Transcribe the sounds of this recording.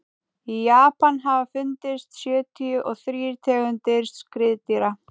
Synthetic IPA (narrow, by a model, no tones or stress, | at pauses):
ijaːpanɦavafʏnt̪ɪst̪sjœːt̪ʰiʏʔɔɣθɾiːɾt̪ʰɛːɣʏnt̪ɪɾ̥sskɾɪðt̪iɾa